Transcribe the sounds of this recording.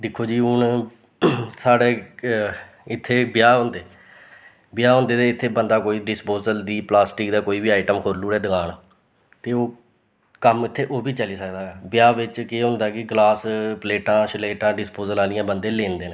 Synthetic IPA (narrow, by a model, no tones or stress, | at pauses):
ɖ̪ɪkʰːoːd͡ʒiːʊn | saːɽeː | ɪt̪ʰːeːbɪjaːɦʊ̃nd̪eː | bɪjaːɦʊ̃ːnd̪eːt̪eːɪt̪ʰːeːbənd̪aːkoːiːɖɪspoːzəld̪iːplaːsʈɪkd̪aːkoːiːbiːaːɪʈəmkʰoːɾluːɽɛːd̪əɡaːnː | t̪eːoː | kəmɪt̪ʰːeːʔoːbiːt͡ʃəliːsəkd̪aːbɪjaːʋɪt͡ʃkeːɦʊ̃nd̪aːkɪɡlaːspleːʈãːʃleːʈãːɖɪspoːzəlaːlɪjãːbənd̪eːleːnd̪eːneː